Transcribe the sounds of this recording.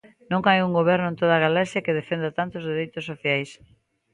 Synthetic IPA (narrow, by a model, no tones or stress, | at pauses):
nõŋajuŋɡoβ̞ɛɾnʊẽnt̪oð̞aɣalasjakeðefend̪at̪ant̪ozðeɾejt̪osoθjajs